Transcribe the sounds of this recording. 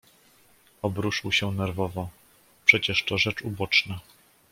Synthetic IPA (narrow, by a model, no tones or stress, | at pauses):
ɔbɾuʂɨwɕɛnɛɾvɔvɔ | pʂɛt͡ɕɛʂt̪ɔʐɛt͡ʂubɔt͡ʂna